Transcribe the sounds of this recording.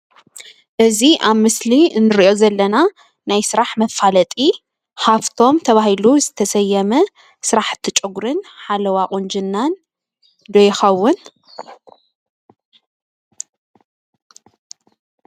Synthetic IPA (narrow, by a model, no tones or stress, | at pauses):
ʔɨziʔaβmɨsliɨnːɨɾiʔo̞zɐlːɐna | najsɨɾaħmɐfalɐt̪ʼi | haft̪ʰo̞mt̪ʰɐβahiluzɨt̪ʰɐsɐjːɛmɐ | sɨɾaħt̪ʰːɨt͡ʃʼɨɡɾɨnħalɐwaqʼund͡ʒɨnːan | d̪ojɪxɐwːʊn